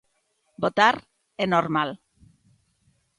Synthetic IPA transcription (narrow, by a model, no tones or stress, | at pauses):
bot̪aɾ | enoɾmal